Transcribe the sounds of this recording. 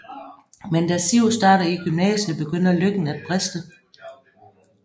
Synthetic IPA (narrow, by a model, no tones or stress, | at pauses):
mend̥æsiʊsd̥ɑ̈ːɾɐiɡ̥ymnɛːsəb̥e̝ɡ̥øn̰ɐløɡ̥n̩æd̥̚b̥ʁɛsd̥ə